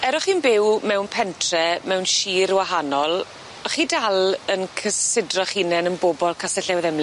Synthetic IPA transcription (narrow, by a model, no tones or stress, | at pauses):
ɛɾɔχiːnbɪwmɛwnpʰɛntʰrɛmɛwnʃiːɾwaɦanɔlˠ | ɔχidalˠənkʰəsɪdrɔχinɛnənboːbɔlˠkʰasɛɬɛwðɛml